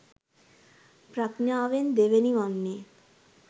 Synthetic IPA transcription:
pɾaknjaːʋend̪eʋenimɔnːe

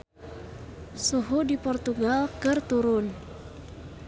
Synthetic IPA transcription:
suɦudipɔrt̪uɡalkɨrt̪uɾʊn

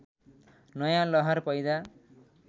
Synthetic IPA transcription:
nʌjãlʌɦʌrpʌjd̪a

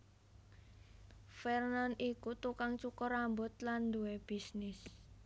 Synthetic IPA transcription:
fɛrnanikut̪ukaŋt͡ʃukɔɾambʊt̪land̪uweb̥isnɪs

